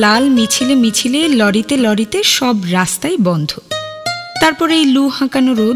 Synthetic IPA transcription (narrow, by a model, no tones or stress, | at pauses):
lalmit͡ɕʰilemit͡ɕʰilelɔɽit̪elɔɽit̪eʃɔbɾast̪ajbɔnd̪ʱo | t̪aɾpɔɾejluhãkanoɾo